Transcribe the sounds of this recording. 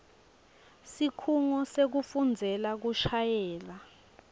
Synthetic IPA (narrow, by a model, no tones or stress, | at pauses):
sikʰuŋɔsek̬ufund͡zʱɛlak̬uʃajɛːla